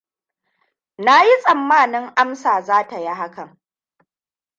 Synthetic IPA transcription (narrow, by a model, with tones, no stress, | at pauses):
na˦ji˦sʼɐ˨mːaː˦˨nɪ˦ŋʔa˦msaː˨zaː˦ta˨ji˦ɦa˦kɐ˨ŋ